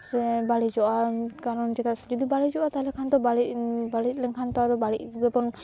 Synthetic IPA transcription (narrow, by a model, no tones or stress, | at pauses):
sɛbaɽid͡ʒɔʔakaɾɔnd͡ʒet̪asd͡ʒɔd̪ibaɽid͡ʒɔʔat̪aɦlɛkʰant̪ɔbaɽibaɽit̪̚lɛnkʰant̪ɔt̪ɔbaɽit̚ɡɛpɔn